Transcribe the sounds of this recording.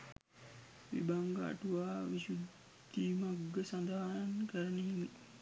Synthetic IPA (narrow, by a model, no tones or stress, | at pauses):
ʋḭbaŋɡəa̰ʈuʋaːʋiʃud̪ | iːmaɡːəsand̪aɦankəɾəneɦimi